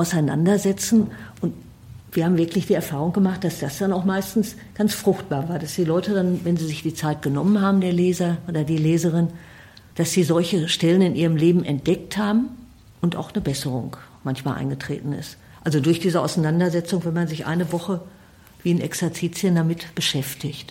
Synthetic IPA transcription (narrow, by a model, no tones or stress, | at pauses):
ʔaʊsaɪna̰ndɐzɛt͡sn̩ʔʊnt | viːɐhaːbm̩vɪɐklɪçd̥iːɛɐfaːʁ̞ʊŋɡ̥əmaχt̚d̥asd̥asd̥anaʊxmaɪstn̩s | ɡ̥ant͡sfʁ̥ʊxt̚b̥aːɐvaːɐdasd̥iːlɔʏtədanvɛnziːzɪçd̥iːt͡saɪt̚ɡ̥ənɔmənhaːbm̩deːɐleːzɐʔoːdɐdiːleːzəʁɪn | d̥asz̥iːzɔlçəʃtɛlənɪnʔiːʁ̞əmleːbm̩ɛnt̚d̥ɛk̚thaːbm̩ | ʔʊntʔa̰ʊxnəbɛsəʁʊ̰ŋmançmaːlʔa̰ɪnɡətʁ̥ḛːtn̩ɪ̰st | ʔalzodʊɐçd̥iːzəʔa̰ʊsanandɐzɛt͡sʊŋvɛnmanzɪçʔa̰ɪnəvɔχə | viːnʔɛksɛɐt͡siːt͡siəndamɪtb̥əʃɛftɪçt